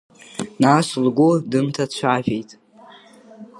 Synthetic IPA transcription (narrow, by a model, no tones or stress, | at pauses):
naːslɡʷudɨmtʰat͡ɕʷʰaːvᶣejtʼ